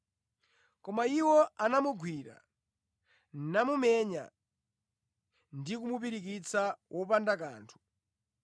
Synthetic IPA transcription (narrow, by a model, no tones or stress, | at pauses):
kɔmaiwɔanamuɡwiːɾa̰ | namumɛɲa̰ | ndikumup̬iɾik̬it͡sʰawʔɔp̬andaka̰ːntʰu̥